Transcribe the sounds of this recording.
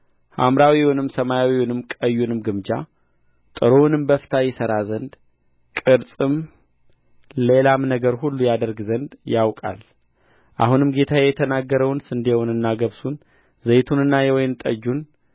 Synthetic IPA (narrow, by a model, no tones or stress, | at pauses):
ha̰mɾawiwɔnɨmsəmajawiwnɨmkʼəjːunɨmɡɨmd͡ʒa̰ | t̪ʼɨɾonɨmbəft̪ʰajɪsəɾazənd̪ | kʼɨɾsʼɨm | le̞lamnəɡəɾhulːujad̪əɾɡzənd̪jawkʼa̰l | ʔahunɨmɡe̞t̪ʰajɛt̪ʰənaɡːəɾəwnsɨnd̪ewnɨnːaɡəβsun | zəjt̪ʰunɨnːajɛwɔjɪnt̪ʼə̰d͡ʒːun